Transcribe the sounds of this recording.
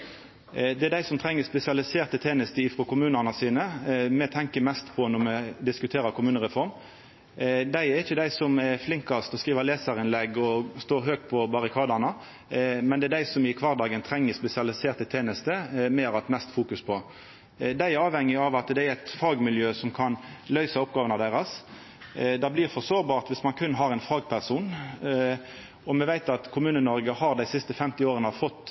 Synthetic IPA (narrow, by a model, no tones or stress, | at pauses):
d̪ɛɛd̪æɪsɔmt̪ʰɾɛŋːəspɛsɪɑlɪseːʁt̪ət̪ʰeːnəst̪əɪːfɾɔkʰʊmʉːnɑnəsiːnəmɛt̪ʰɛŋkəmɛst̪pʰɔnɔmɛd̪ɪskʉt̪ʰeːɾəkʰʊmʉːnəɾɛfɔɾm | d̪æɪɛɾɪçːəd̪æɪsɔmɛɾflɪŋkɑst̪ɔskɾiːʋəleːsəɾɪnlɛɡːɔst̪oːɾɦøːɡ̚t̪pʰɔbɑɾɪkʰɑːd̪ɑnə | mɛnd̪ɛd̪æɪsɔmɪkʰʋɑʁd̪ɑːɡənt̪ʰɾɛŋːəspɛsɪɑlɪseːʁt̪ət̪ʰeːnəst̪əmeːɾɑt̪mɛst̪fuːkʉspʰɔ | d̪æɪɑːʋhɛŋːɪɑʋɑt̪d̪ɛæɾɛɪt̪fɑːɡmɪljøːsɔmkʰɑnlœʏsɑɔpɡɑːʋənɑd̪æʁɑs | d̪ɑblɪʁfɔsoːʁbɑːʁt̪ʋɪsmɑnkʰʉnːɦɑɾɛɪnfɑːɡpʰæʁsuːn | ɔmɛʋæɪt̪ɑt̪kʰʊmʉːnənɔɾɡəhɑɾd̪æɪsɪst̪əfɛmt̪ɪoːɾənəfɔt̪ː